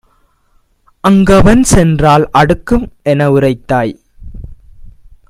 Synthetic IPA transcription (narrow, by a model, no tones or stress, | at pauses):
ʔɐŋɡɐʋɐnsɛndraːlɐɽɯkːɯmɛnɐʊrɐɪt̪ːaːj